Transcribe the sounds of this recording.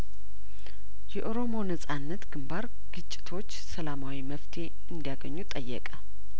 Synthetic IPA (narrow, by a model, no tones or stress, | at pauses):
jɛʔo̞ɾo̞mo̞nəsʼanːət̪ɡɨmbaɾ | ɡ̥ɨt͡ʃʼːɪ̥t̪ʰo̞t͡ʃːsəlamawiməft̪ʰe̞ | ɨnd̪ijaɡəɲːut̪ʼəjːɛ̰kʼə